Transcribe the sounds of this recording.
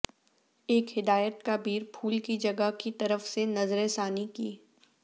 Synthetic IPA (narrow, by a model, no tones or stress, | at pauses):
eːkhɪd̪aːjət̪kabʱiːɾpʰuːlkid͡ʒɐɡəkit̪ɐɾəfsenɐzɾeːsaːnikiː